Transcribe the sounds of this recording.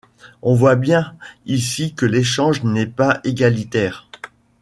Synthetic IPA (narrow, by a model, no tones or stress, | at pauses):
ɔ̃vwabjɛ̃isikəleʃɑ̃ʒnɛpaeɡalit̪ɛːʁ